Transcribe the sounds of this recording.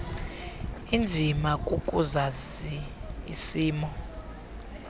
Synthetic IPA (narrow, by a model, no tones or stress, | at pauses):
ind͡zʱimakʼuk̬ʼuzaziːsiːmɔ